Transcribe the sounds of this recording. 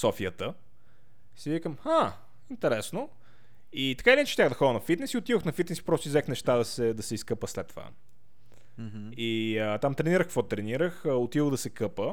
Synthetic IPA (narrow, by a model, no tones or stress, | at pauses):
sɔfiət̪ə | sivikəmha | int̪ɛɾɛsno | it̪ɐ̥kailʲinɛt͡ʃɛ̥t̪ʲaɣd̪ɐxɔd̪ənɐfit̪nɛsiot̪iðoxnɐfit̪nɛsi̥pɾɔst̪ʊizɛxnɛʃt̪ad̪ɐsɛd̪ɐsɛiskɤpəslɛt̪ːova̰ | iət̪amt̪ɾɛniɾəxkəkvɔt̪ɾɛniɾəxəot̪id̪oɣd̪ɐsɛkɤpə